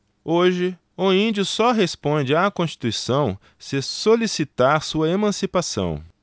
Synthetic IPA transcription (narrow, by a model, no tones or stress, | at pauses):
oʒɪ | ʊĩd͡ʒʊsɔɦespõd͡ʒɪakõst͡ʃi̥t̪uisɐ̃w̃ | sɪsolisit̪aɾsuɐemɐ̃sipasɐ̰̃w̃